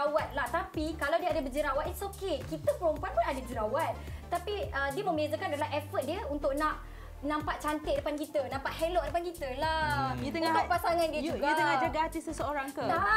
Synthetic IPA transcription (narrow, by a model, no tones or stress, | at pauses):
awat̪̚laht̪apikalawdiəadabəd͡ʒəɾawat̪̚it̪sokekit̪əpəɾompuanpʊnadad͡ʒəɾawat̪̚t̪ːapiədiəmə̃mbazakanadalaɦɛfət̪̚diəunt̪ʊʔ̚nãʔ | nãmpaʔt͡ʃant̪ɪʔ̚dəpankit̪ənãmpaʔhelɔʔ̚dəpankit̪əlat̪ənp̪apasaŋãndiəd͡ʒuɡ̪əɡad͡ʒaɡaat̪isəsəoɾaŋkəla